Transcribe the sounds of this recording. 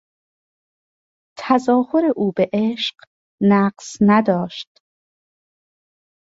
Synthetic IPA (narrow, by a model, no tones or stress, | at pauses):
t̪ʰæzɒːho̞ɾe̞ʔuːbe̞ʔeːʃɢ̥ | næːɢsnæd̪ɒːʃt̪